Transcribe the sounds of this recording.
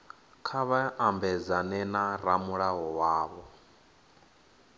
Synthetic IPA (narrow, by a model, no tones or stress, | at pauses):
kʰaβaʔambɛd͡zanɛnaɾamuɺaɦɔwaːβɔ